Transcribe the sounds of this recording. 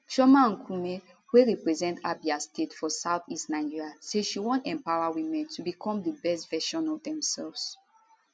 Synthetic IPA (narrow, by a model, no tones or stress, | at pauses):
ʃɔmãŋkʰũme | weɹɛpɹɛzɛ̃ntabiastetfɔsaʊθistnaɪ̃d͡ʒiɹaseʃiwɔ̃ntɛ̃mpawawĩmɛ̃ntʰubikʰɔ̃mdəbɛstvɛʃɔ̃nɔvdɛ̃msɛlvs